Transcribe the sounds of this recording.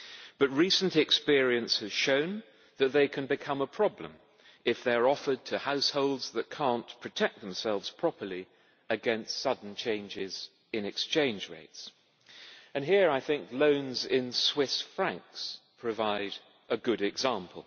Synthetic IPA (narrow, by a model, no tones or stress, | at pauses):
b̥ʌt̚ɹisn̩tɨkspɪɹiɨ̃nshɨz̥ʃõʊ̃n | ðɨt̪̚ðeɪkʰɨ̃nbɨkʰʌ̃məpʰɹ̥ɑblə̰̃m | ɨfðəɪə˞ɔfə˞d̚tʰɨhaʊshoʊlˠdz̥ðɨt̚kʰɑ̃npʰɹ̥ɨtʰɛk̚ðəm̩sɛlˠvz̥pʰɹ̥ɑpə˞lˠi | ɨɡɛ̃nstsʌdⁿn̩t͡ʃʰẽɪ̃nd͡ʒɪz | ɨ̃nɨkst͡ʃʰẽɪ̃nd͡ʒɹḛɪts | ɨ̃nɦiɹaɪθɪ̃ŋklõʊ̃nzɪ̃nswɪsfɹæ̃ŋkspʰɹ̥ɨvaɪɾ | ʔɨɡʊɾɨɡzæ̃mpʰəl̩ˠ